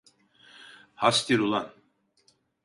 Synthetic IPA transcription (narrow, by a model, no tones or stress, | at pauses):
hast̪iɾulˠan